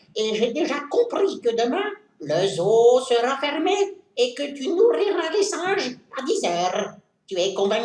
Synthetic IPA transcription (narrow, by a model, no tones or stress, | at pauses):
eʒed̪eʒakɔ̃pχikəd̪əmɛ̃ | ləzosəʁafɛʁmeː | kət̪ynuʁiʁalesɑ̃ʒad̪izœːʁ | t̪yɛkɔ̃vɛ̃